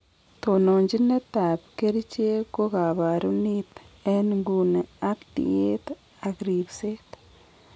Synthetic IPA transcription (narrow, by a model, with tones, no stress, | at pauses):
t̪o˨no˨ɲd͡ʒi˦ne˦t̪a˨pke˦ɾit͡ʃe˦ko˦ka˨βa˨ɾu˦ni˦t̪ | e˦nŋɡu˨ne˨a˦kt̪ḭ˨e˦t̪ | a˨kɾi˨bse˦t̪